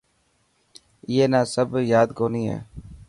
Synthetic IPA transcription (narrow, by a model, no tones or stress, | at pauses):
ɪeːnaːsəbjaːd̪koːniːɦɛ̰ː